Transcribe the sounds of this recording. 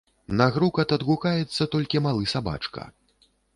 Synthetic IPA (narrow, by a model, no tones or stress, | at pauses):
nɐɣɾukɐt̪ɐd̪ɣukajɛt̪sːɐt̪ɔlʲkʲimalˠɨsaba̰t͡ʂkɐ̰